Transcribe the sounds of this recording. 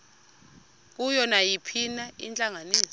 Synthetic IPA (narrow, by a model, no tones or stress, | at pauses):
k̬ujɔnajipʰinaḭnt͡ɬʼaŋaniːsɔ